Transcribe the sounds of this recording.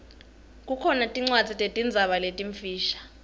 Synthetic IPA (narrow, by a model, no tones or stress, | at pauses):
k̬ʼukʰɔnatʼiŋ͡ǀwḁd͡zʱitʼetʼind͡zʱaɓaletʼiɱfiːʃḁ